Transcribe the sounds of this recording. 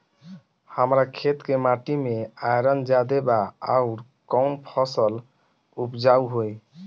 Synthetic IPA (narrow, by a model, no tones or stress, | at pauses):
həmɾakʰet̪kemaʈimeajɾənd͡ʒad̪ebaaʊɾ | kɔʊnpʰəsəl | upd͡ʒauɦoj